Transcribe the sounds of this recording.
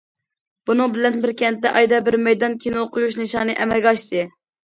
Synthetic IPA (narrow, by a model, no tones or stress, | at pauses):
b̥unɨŋbɪlɛnbɪɾkʲʰɛnt̪ːɛʔɑjd̪ɛbɪɾmɛjd̪ɑnkʲʰenɨoqʰʊjuʃnɨʃɑːnɨʔɛmɛlɡʲɑʃt̪ɨ